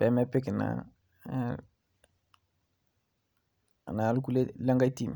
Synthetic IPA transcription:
b̥ɛ˨mɛ˦pe˦ke˨na̰ | a̰˨na˨lu˦ku˦le˦lã˦ŋɡa˦jti˦m˨

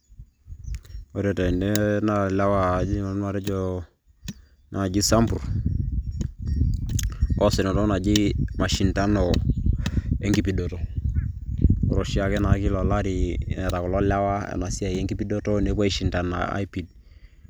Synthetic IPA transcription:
o˨ɾe˨tɛ˨nde˦na˦˨la˦wa˦d͡ʒi˦a˨˦n˦a˨ɾɛ˦d͡ʒo˦ | na˨na˨d͡ʒi˦sa˦mbu˨ɾ | kɔ˦se˨no˨to˦na˨d͡ʒi˦ma˨ʃi˨nta˦no˨ | e˦ŋɡi˦pi˨do˨to˨ | kɔ˨ɾo˨ʃi˦a˨kɛ˦na˨ki˦lɔ˨la˦ɾi˨nɛ˨ta˨ku˨lɔ˦la˦wa˦ḛ˨na˨si˦a˨je˦ŋɡi˦pi˦do˦to˦ne˨˦bwa˦i˨ʃi˨nta˨na̰˨a̰˦jpi˨d̚

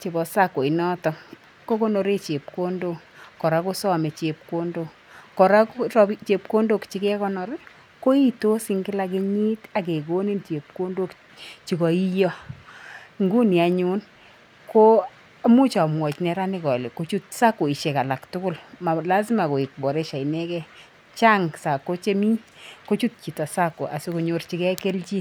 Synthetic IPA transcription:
t͡ʃe˨bɔ˨sa˦ko˨i˨nɔ˦tɔ˨ | ko˦ko˦no˨ɾe˦t͡ʃe˨p̚ko˦ndo˦ | kɔ˨ɾa˦ko˦sɔ˦me˨t͡ʃe˨p̚ko˦ndo˦ | kɔ˨ɾa˦ko˦sɔ˦t͡ʃe˨p̚ko˦ndo˦˨kt͡ʃi˦kɛ˦kɔ˦nɔ˨ɾ | ko˦i˦to˦si˦ŋɡɪ˦la˦k̬e˦ɲi˦ta˨k̬e˨ko˦ni˦nt͡ʃe˨p̚ko˦ndo˦k | t͡ʃi˨kɔ˨i˦jɔ˦ | ŋɡu˦ni˨a˨ɲu˦n | ko˦ | a˦mu˦t͡ʃa˨mwɔ˨t͡ʃnɛ˨ɾa˦nɪ˦kɔ˨le˨ko˦t͡ʃu˦t̚sa˦ko˨i˨ʃe˨ka˨la˨ktʊ˦kʊ˦lma˨la˦s̬ma˨ko˨ɪ˨k̚bɔ˨ɾe˦ʃa˨i˨nɛ˦kɛ˦ | t͡ʃa˦ŋsa˨kːo˦t͡ʃe˦mi˦ɲko˦t͡ʃu˦t̚t͡ʃi˨tɔ˨sa˦kːo̰˨ʔa̰˨si˦ko˨ɲo˨rt͡ʃi˦kɛ˦ke˦lt͡ʃi˦

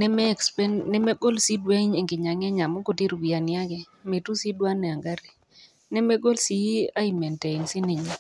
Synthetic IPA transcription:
nɛ˦mɛ˦˨kspɛ˦nnɛ˦mɛ˦ɡo˦lsi˦dwa˦i˦ɲe˨ŋɡɪ˨ɲa˨ŋɛ˦ɲa˨mo˦ko˨ti˦ɾu˨wi˨a˨nja˦ɡɛ˨ | me˨tu˦si˦dwa˦nɛ˨a˨ŋɡa˦ɾi˨ | nɛ˦mɛ˦ɡo˦lsi˦a˦i˨mɛ˨ntɛ˨i˨nsɪ˦ni˨ɲi˦

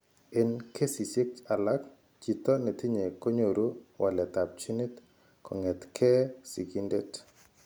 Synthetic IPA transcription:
ɛ˦nkʰe˦si˨si˦k̚t͡ʃa˨la˦k | t͡ʃi˨t̪ɔ˦ne˨t̪ɪ˦ɲe˨ko˦ɲo˨ɾu˦wa˨lɛ˨t̪a˨p̚t͡ʃi˦ni˦t̪ | kʰɔ˨ŋɛ˨t̪kʰɛ˦si˨ɡi˦nde˦t

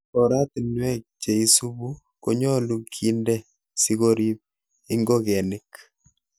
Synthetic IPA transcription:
kɔ˨ɾa˦ti˨nwɛ˦k̚t͡ʃe˨i˦su˦bu˦ | ko˦ɲɔ˦lu˦kʰi˦ndɛ˦ | si˦ɡo˦ɾi˦p̚ | i˦ŋɡo˦kɛ˨nɪ˦k

